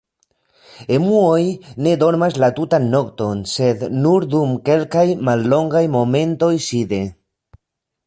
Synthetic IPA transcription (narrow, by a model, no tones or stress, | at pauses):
emuojned̪oɾmazlat̪ut̪anːokt̪onsed̪nuɾd̪umkelkajmalːoŋɡajmomẽnt̪ojsiðe